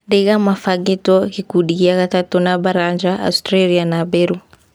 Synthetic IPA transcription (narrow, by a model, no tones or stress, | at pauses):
dɛɡamafaɡitɔkikuɗikiaɣat̪atɔnabaɾand͡ʒaʔa̰stɾalianabeɾu